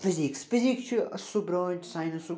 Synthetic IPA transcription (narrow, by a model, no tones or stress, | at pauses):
fɪziksfizikt͡ʃʰiɐsubɾoːsajnɐsu